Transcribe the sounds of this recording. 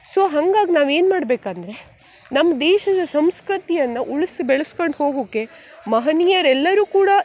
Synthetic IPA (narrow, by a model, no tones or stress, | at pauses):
soːɦɐŋɡaːɡinaːʋe̞ːnmaːɽbeːkɐnd̪ɐɾe̞ | nɐmːɐd̪ɛːʃɐd̪ɐsɐmskɾɨt̪ijɐnːɐʔuɭisibɛɭɐsko̞ɳɖɦo̞ːɡoːkːe̞ | mɐɦɐniːjɐɾɛlːɐɾuːkuːɽɐ